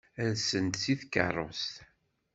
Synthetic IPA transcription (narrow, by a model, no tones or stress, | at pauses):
ænsənt̪siθkə̰rˤːost̪